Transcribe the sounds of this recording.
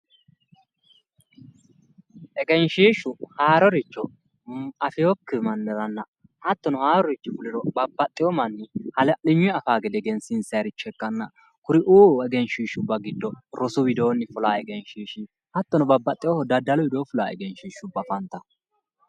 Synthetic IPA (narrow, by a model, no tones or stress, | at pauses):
ʔɛɡɛnʃiːʃʊhaːɾɔɾɪt͡ʃːɔ | ɐfɪjɔkːɪmɐnːɛɾɐnːɐ | hɐt̪ːɔnɔhaːɾɔɾɪt͡ʃːʊfʊlɪɾɔbɐbːɐt̪ʼːɪjɔmɐnːɪhɐlɛlɪɲːʊɛɐfaːɡɛd̪ɛɡɛnsɪnsɐjɐɾɪt͡ʃːɔɛkːɐnːɐ | kʊɾɪʔuːɛɡɛnʃiːʃʊbːɐɡɪd̪ːɔɾɔsʊwɪd̪oːnːɪfʊlaːɛɡɛnʃiːʃi | hɐt̪ːɔnɔbɐbːɐt̪ʼːɪjɔhɔd̪ɐd̪ːɐlɔwɪd̪oːfʊlaːɛ̰ɡɛnʃiːʃʊbːɐfɐnt̪ːɐ